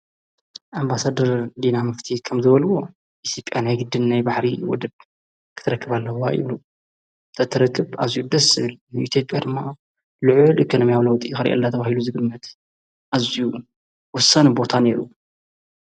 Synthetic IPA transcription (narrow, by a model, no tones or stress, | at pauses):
ʔambasad̪ɐɾd̪inamɨft̪ʰikʰɐmzɨβɐlwo̞ | ʔit̪ʰjo̞pʼjanajɡɨd̪ːɨnnajbaħɾiwɔ̰d̪ɨb̚ | kʰɨ̥t̪ʰɨɾɐkːɨβalːɐwaʔḭβlu | t̪ʰɐt̪ʰɨɾɐkʰːɨbazijud̪ɐsɨβɨlnɨit̪ʰjopʼjad̪ɨmːa | lɨʕʊlʔikʰono̞mijawlɐwt̪ʼixɨɾʔɐ̰lːat̪ʰɐβahiluzɨɡɨnːɐt̪ | ʔaziju | wɔsɐnbo̞t̪ʰane̞ɾu